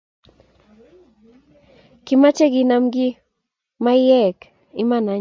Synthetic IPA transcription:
kɪmat͡ʃeɡɪnamɡɪ | majeːk | ɪmana

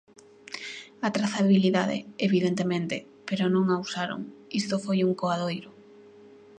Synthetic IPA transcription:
at̪ɾaθaβiliðaðɪ̰eβiðent̪emẽnt̪ɪ | peɾʊnõŋawsaɾo̰ŋist̪ofojuŋkoaðojɾʊ

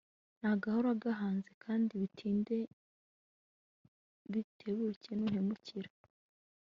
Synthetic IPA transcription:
n̥aɡahoɾaɡaɦaːnzekʰaːndiβitʰiːnde̞ | βitʰe̞βucenuːn̥e̞muciɾḁ

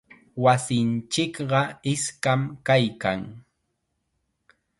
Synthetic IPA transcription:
wasɪnt͡ʃɪkɢɑɪskamkajkaŋ

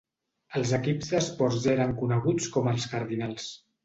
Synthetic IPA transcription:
əlˠzəkibzðəspɔɾzeɾəŋkunəɣ̞ut͡skɔməlˠskəɾðinalˠs

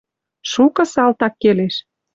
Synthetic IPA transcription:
ʃukɤ̆sɑlt̪ɑkːeleʃ

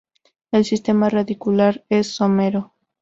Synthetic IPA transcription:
elsist̪e̞maraðikulaɾesːomeɾo

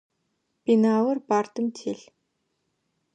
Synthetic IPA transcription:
pinawə̆rpart̪ə̆mtʰeɮ

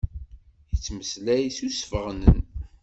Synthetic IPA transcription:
jət͡sːməslæjsusfəʁnən

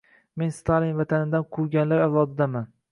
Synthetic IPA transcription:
me̞nst̪ʰalinvat̪ʰanɪd̪anqʰʊɾɡʲanlaɾawlˠɒd̪ɪd̪aman

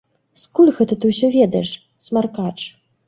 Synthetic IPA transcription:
skulʲɣɛt̪ɐt̪ɨwsʲɔvʲɛd̪ɐjɛʂ | smarkat͡ʂ

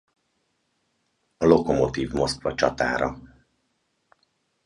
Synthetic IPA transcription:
ɒlo̞ko̞mo̞t̪iːvmo̞skvɒt͡ʃɒt̪a̰ːɾɒ

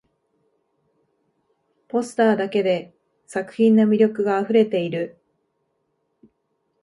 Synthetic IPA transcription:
po̞sɨ̥t̪aːd̪ake̞d̪e̞ | sakɯ̟̥çʲĩnːomʲiɾʲo̞kɯ̟ɡaːɸɯ̟ɾe̞t̪e̞iɾɯ̟

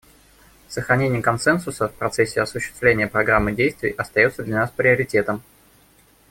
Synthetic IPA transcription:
səxɾɐnʲenʲɪjəkɐnsɛnsʊsəfpɾɐt̪sɛsʲːɪɐsʊɕːɪ̥st̪vlʲenʲɪjəpɾɐɡɾamːɨdʲejst̪vʲɪ̰jʔɐst̪ɐjo̞t̪səd̪lʲanaspɾʲɪəɾʲɪtʲe̞t̪əm

